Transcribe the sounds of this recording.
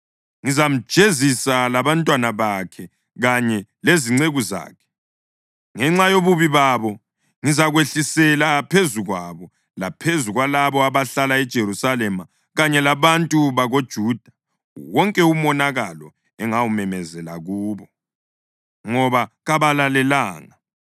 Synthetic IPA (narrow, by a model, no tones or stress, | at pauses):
ŋizam̩̥ʒ̥ʱezisalaβantʼwanaβakʰɛ | ɣaɲɛleziŋ͡ǀeɣuza̰ːkʰɛ̥ | ŋɛŋ͡ǁajoβuβiβaβɔ | ŋizaɣweɬisɛlapʰezuɣwaβɔ | lapʰezuɣwalaβɔaβaɬalaɛd̥ʒ̥ʱeɾusalɛma | ɣaɲɛlaβantʼuβaɣod̥ʒ̥ʱuːd̥ʱa | wɔŋkʼɛumɔnaɣalɔ̰ | ɛŋawumɛmɛzɛlaɣuːβɔ | ŋɔβaɣaβalalɛlaːŋa